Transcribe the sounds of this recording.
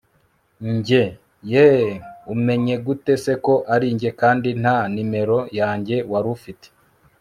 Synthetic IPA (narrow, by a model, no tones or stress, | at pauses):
ɲɟe | jeume̞ɲe̞ɡute̞se̞ko̞ʔaɾiːɲɟe̞kaːndin̥hanime̞ɾo̞jaːɲɟe̞waɾufite̥